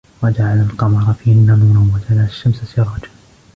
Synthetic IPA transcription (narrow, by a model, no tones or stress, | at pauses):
wad͡ʒaʕalalqɑmɑɾˤɑfiːʔanːamuːɾanwad͡ʒalaaʃːamssɪɾˤɑːt̪